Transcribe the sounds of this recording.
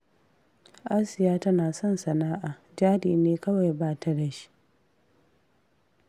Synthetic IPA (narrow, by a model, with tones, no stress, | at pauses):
ʔa˦sɪ˨jaː˦tɐ˦naː˨sɔ˦˨nsɐ˨naː˦ʔaː˨ | d͡ʒaː˦diː˨neː˦kɐ˦wa˨jbaː˦tʰa˦da˨ʃi̥˦